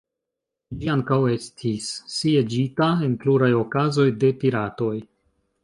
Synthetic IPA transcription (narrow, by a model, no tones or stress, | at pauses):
d͡ʒiaŋkawe̞stʰisːied͡ʒitae̞nkluɾajo̞kazo̞jde̞piɾato̞j